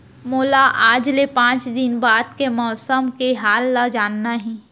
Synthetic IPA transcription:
moːlaʔaːd͡ʒlepãːt͡ʃd̪ɪnbaːd̪kemɔːsəmkeɦaːlːad͡ʒaːnːaɦɛ̃ː

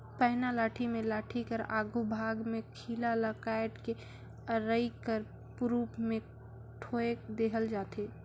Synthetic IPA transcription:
pəɦnalaːʈʰimẽlaːʈʰikəɾaːɡubʱaːɡmẽkʰiːlaləkaɪʈ̪ke | əɾəɪkəɾ | pɾuːpmẽ | ʈʰoːed̪eɦəld͡ʒaːt̪eː

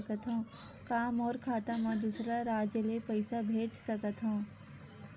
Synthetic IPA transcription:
kət̪ɦãː | kaːmɔːɾkʰaːt̪amãd̪usɾaɾaːd͡ʒəlepɐɪsabʱeːd͡ʒsɐkət̪ɦãː

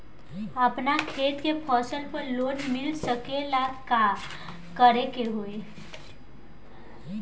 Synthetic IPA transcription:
apnakʰet̪kepʰɔsəlpəɾlonmɪlsəkelaka | kəɾekeɦoe

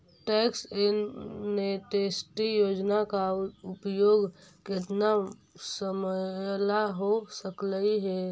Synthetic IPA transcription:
ʈɛːksɪnmeʈeːsʈijoːd͡ʒnakaʊpjoːɡkɪt̪na | səməlaɦosəkləiɦɛ

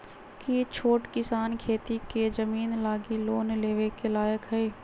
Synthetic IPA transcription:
kit͡ʃʰoːʈkɪsaːnkʰeːt̪iked͡ʒəmiːnlaːɡiloːnleːʋekelaːjəkɦɛeː

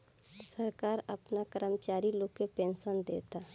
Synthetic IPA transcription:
səɾkaːɾɐpnakəɾəmt͡ʃaːɾiloːkːepẽːnsənd̪ḛːt̪aː

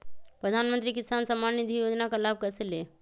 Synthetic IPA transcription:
pɾəd̪ʱanmənt̪ɾikisansəmanːid̪ʱijod͡ʒnakalab̚kəɾsele

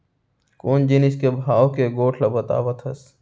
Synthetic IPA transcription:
koːnd͡ʒinɪskebʱaːwkeɡoːʈʰlɐbɐt̪a̰ːʋət̪ɦɐs

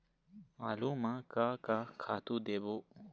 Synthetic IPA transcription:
maːluːmãkakakʰaːt̪uːd̪eːboː

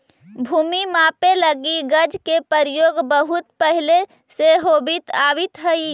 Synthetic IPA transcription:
bʱuːmimapeləɡiɡəd͡ʒʱkepəɾjoːɡbəɦut̪̚pəɦile | seɦobit̪abit̪ɦəi

